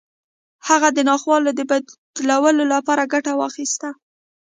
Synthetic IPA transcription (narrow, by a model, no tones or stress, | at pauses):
haɣad̪ənɑxwɑlod̪əbad̪d̪lawəlolapɑɾaɡaʈawɑxist̪a